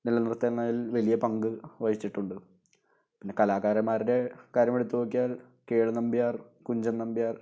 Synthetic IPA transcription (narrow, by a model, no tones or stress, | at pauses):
nilːɐnirt̪ːɐnːaːjilʋɐlijɐpɐŋɡɨʋɐjit͡ɕːiʈːuɳɖɨ | pinːe̞kɐlaːkaːɾɐmːaːɾiɾe̞kaːɾjɐmeɽut̪ːuboːk̬ːijaːl | keːɭɨnɐmbijaːrkuɲd͡ʑɐnnɐmbijaːr